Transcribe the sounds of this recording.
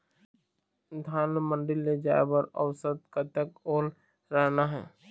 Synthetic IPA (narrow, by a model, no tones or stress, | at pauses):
d̪ʱaːnəmə̃ɳɖɪlːed͡ʒa̰ːebəɾə̰wsət̪̚kat̪əkoːl | ɾɛɦnaɦɛ̰ː